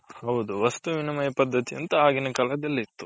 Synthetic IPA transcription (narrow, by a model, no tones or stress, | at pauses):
hɐwd̪uʋɐst̪uʋinɐmɐjɐpɐd̪ːɐt̪iɐ̰nt̪ɐaːɡinɐkɐlɐd̪ɐlːit̪ːu